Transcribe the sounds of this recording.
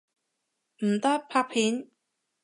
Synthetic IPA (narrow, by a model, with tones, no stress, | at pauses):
m̩˨˩t̪ɐ˥pʰaː˧˥k̚pʰiː˨˥n